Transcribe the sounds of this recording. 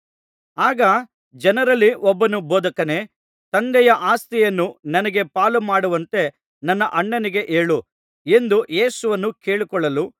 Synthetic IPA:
aːɡɐ | d͡ʒɐnɐɾɐlːiʔɔbːɐnuboːd̪ɐkɐne̞ː | t̪ɐnd̪ɛjɐʔaːst̪ɛjɐnːunɐnɐɡe̞paːlumaːɽuʋɐnt̪e̞ | nɐnːɐʔɐɳːɐniɡe̞ʔeːɭu | e̞nd̪uje̞ːsuʋɐnːukeːɭikɔɭːɐlu

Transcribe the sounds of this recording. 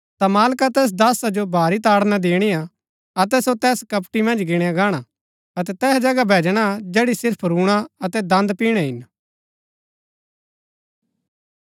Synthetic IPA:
t̪amaːlkat̪ɛːs̬d̪aːsad͡ʒobʱaːɾit̪aːɽnad̪eːɽ̃ia | ɐt̪ɛsot̪ɛːskɐpʈimɐ̃nd͡ʒɡɪɽ̃aɡaːɽ̃a | ɐt̪ɛt̪ɛːsd͡ʒɐɡabʱɛːd͡ʒɽ̃ad͡ʒɛːɽisɪɾpʰɾuːɽ̃aɐt̪ɛd̪ɐ̃nd̪piːɽ̃ɛɦɪn

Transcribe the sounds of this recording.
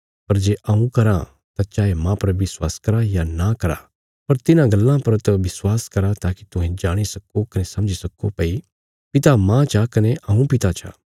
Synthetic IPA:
pɐɾd͡ʒeːʔɐũkɐɾa | t̪at͡ʃaːemãːpɐɾʋɪswaːskɐɾajanakɐɾa̰ | pɐɾt̪ɪnãɡɐlːãpɐɾt̪ɐʋɪswaːskɐɾat̪aːki̥t̪ʊɦẽd͡ʒaːɽ̃isɐkokɐnesɐ̃md͡ʒisɐkopɐi | pɪt̪amãt͡ʃʰakɐneʔɐːũpɪt̪at͡ʃʰa̰ː

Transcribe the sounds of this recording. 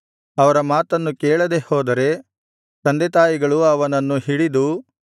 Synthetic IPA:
ɐʋɐɾɐmaːt̪ɐnːukeːɭɐd̪e̞hoːd̪ɐɾe̞ | t̪ɐnd̪et̪aːjiɡɐɭuɐʋɐnɐnːuɦiɽid̪u

